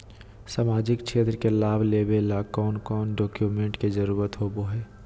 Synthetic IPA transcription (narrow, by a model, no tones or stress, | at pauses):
saːmaːd͡ʒɪkʃeːt̪ɾəkelaːbʱleːbelaːkɔːnkɔːnɖoːkjumẽɳʈkezəɾuːɾət̪ɦoːboɦɛː